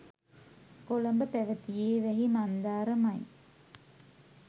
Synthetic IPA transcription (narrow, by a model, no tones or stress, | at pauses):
kolɐmbəpæʋət̪ijeːʋɛɦimand̪aːɾəmɐj